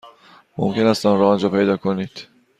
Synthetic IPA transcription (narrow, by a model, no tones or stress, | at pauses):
mo̰mce̞næst̪ɒmɾɒːnd͡ʒɒːpe̞jd̪ɒːkʰoniːd̪̥